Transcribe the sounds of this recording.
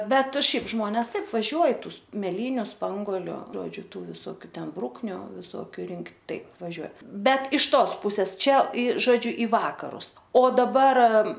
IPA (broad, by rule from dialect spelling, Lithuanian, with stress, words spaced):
ˈbʲɛt ˈʃʲɛɪp ˈʒmoːnʲɛs ˈtɐɪp ʋɐˈʒʲuɔj ˈtuː mʲɛˈlʲiːnʲʊ ˈspɐŋɡoːlʲʊ ˈʒoːd͡ʒʲʊ ˈtuː ʋʲɪsoːˈkʲuː ˈtʲɛn ˈbrʊknʲʊ ʋʲɪˈsoːkʲʊ ˈrʲɪŋktʲ ˈtɐɪp ʋɐˈʒʲuɔ ˈbʲɛt ɪʃ ˈtoːs ˈpʊsʲɛs ˈt͡ʃʲɛ iː ʒoːˈd͡ʒʲʊ iː ˈʋɑːkɐrʊs oː dɐˈbɐr